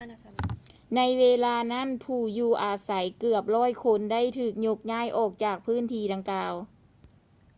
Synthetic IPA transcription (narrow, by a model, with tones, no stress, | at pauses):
na˧˥jweː˧laː˧na˥˨npʰuː˨˩juː˧˩ʔaː˧sa˩˦jkɯ˨˩əp̚lɔː˥˨jkʰo˧˥nda˥˨jt̪ʰɯː˨˩k̚ɲo˧˥k̚ɲaː˥˩jʔɔː˨˩k̚t͡ɕaː˨˩k̚pʰɯː˦˥˨nt̪ʰiː˧˥˩da˧ŋkaː˧w